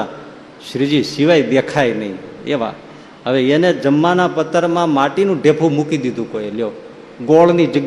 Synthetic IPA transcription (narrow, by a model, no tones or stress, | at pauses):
a | ʃɾid͡ʒisiʋajd̪ekʰajnəɦḭ̃ḛʋa̰ | ɦəʋeened͡ʒəmːanapət̪ːəɾmãmaʈinũɖʱepʰũmukid̪id̪ʱũkoeljo | ɡoɭnid͡ʒəɡ